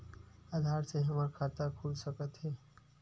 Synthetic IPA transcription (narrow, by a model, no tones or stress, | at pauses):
ad̪ʱaɾseɦəməɾkʰat̪akʰulsəkət̪ɦɛː